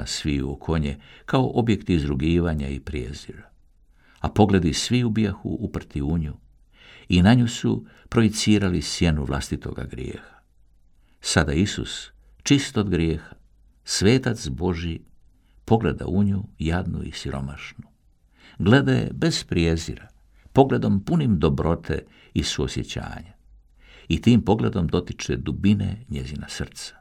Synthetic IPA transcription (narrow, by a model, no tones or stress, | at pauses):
asʋiṵokʰo̞ɲekʰaoʔo̞bje̞kt̪iizd̪ɾuɡiːʋaɲaipɾijḛzḭɾa | apo̞ɡle̞d̪isʋiubjaxṵʔupr̩t̪iuɲu | inaɲusu | pɾojit̪siːɾalisje̞nuʋlˠa̰st̪it̪ʰo̞̰ɡa̰ɡɾjḛːxḁ | sad̪aisṵs | t͡ʃist̪od̪ɡɾjeːxḁ | sʋe̞ːt̪at̪sbo̞ʒji | po̞ɡle̞d̪a̰uɲujad̪nṵḭsiɾo̞̰maʃnu | ɡle̞d̪ajḛbe̞z̥pɾjezḭɾa | po̞ɡle̞d̪o̞mpunimd̪o̞bɾo̞t̪ʰḛ | isuosje̞t͡ɕa̰ːɲa | it̪iːmpo̞ɡle̞d̪o̞md̪o̞t̪it͡ʃed̪ubineɲe̞zinasr̩t̪sḁ